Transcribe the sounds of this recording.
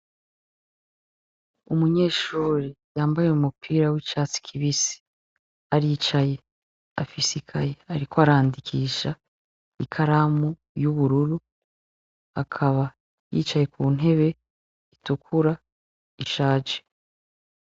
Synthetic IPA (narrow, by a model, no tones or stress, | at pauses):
umuɲe̞ːʃuːɾijaːmbajeumupʰiːɾawit͡ʃasi̥kʰiβisi̥ | aɾiːt͡ʃaje̞ | a̰fisikʰaje̞aɾikoaɾaːndikʰiːʃa | ikʰaɾamu | juβuɾuɾu | akʰaβa | jḭːt͡ʃaje̞kuːn̥e̞βe̞ | itukʰuɾa | iʃaːd͡ʒe